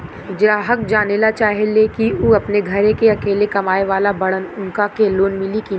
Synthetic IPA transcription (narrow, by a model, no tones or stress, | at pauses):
ɪd͡ʒɾaːɦək̚d͡ʒaːnelat͡ʃaːɦelekiuːɐpneɡʱɐɾẽkeɐkeːlekɐmaːeʋaːlabɐɽənʊnkakeloːnmɪliki